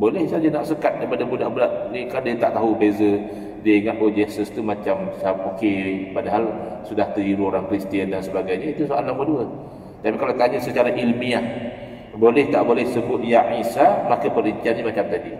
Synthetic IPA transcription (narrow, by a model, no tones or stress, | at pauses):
bolɛhsad͡ʒanaʔsəkat̪̚dajpadabudaʔbudaʔnikandiət̪aʔt̪aɦubezə | diəiŋat̪̚od͡ʒɛsəst̪umat͡ʃamsaap̚okepadaɦalsudaht̪əiɾuoɾaŋkɾist̪iəndansəbaɡajɲait̪usoalaŋməduə | t̪apikalawk̪aɲasət͡ʃaɾaʔilmiah | bolɛht̪aʔbolɛhsəbʊt̪̚jaʕisamakəpəɾiɲt͡ʃiatɲəmat͡ʃamt̪adi